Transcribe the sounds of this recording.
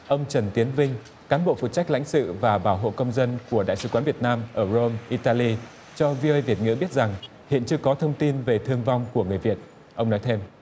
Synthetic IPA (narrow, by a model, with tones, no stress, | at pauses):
ʔə˧wŋ͡mt͡ɕə˨˩nt̪i˨˦ənvï˧ŋ̟ | kaː˨˦nɓo̰˧˨fṵ˨˩t̚t͡ɕa˦˥k̚la̰˧˥jŋ̟sɨ̰˧˨vaː˨˩ɓaː˧˩wɦo̰˧˨kə˧wŋ͡mzə˧nku˧˩əɗa̰ː˧˨jsɨ˨˦kwaː˨˦nvət̚naː˧mʔəː˧˩zo˧mʔi˧t̪aː˧li˧ | t͡ɕɔ˧vi˧ə˧jvi˨˩ət̚ŋɨ̰˧˥ɓi˦˥ət̚za˨˩ŋ | hḭ˧˨ənt͡ɕɨ˧əkɔ˨˦t̪ʰə˧wŋ͡mt̪i˧nve˨˩t̪ʰɨ˧əŋva˧wŋ͡mku˧˩əŋɨ˨˩əjvi˨˩ət̚ | ʔə˧wŋ͡mnɔ˨˦jt̪ʰe˧m